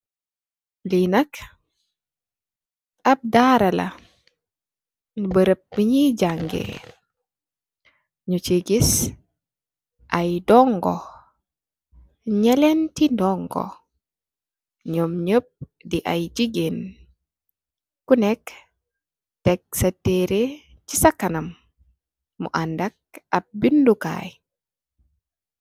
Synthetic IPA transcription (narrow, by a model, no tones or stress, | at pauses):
linɐk | ɐb̚daɾɐlɐ̰ | bəɾəp̚miɲiɟaŋɡḛ | ɲut͡ʃiɡis | ʔɐjdɔŋɡɔ | ɲɛlɛntindɔŋɡɔ̰ | ɲomɲəp̚ | diʔajd͡ʒiɡen | kunɛk | tɛk̚satːeɾe | t͡ʃisakːanamː | ṵʔandak̚ap̚binduka̰j